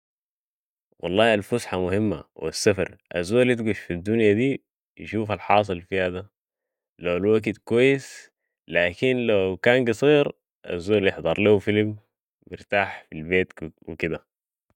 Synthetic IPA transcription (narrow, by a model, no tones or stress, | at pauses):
wɑ̰lˤːɑːalfʊsħamʊhimːa̰wḭsːafɑ̰ɾˤʔazːoːlit̪ɡuʃfid̪ːunjad̪iː | jḭʃuːfalħɑːs̬ˤɨlfihad̪a | lawalwaɡid̪kwajːis | laːkinlawkaːnɡɨsˤiːɾ | ʔa̰zːoːljeħd̪ˤɑɾˤlihufilmː | ɪɾt̪aːħfilbeːt̪wḭkid̪a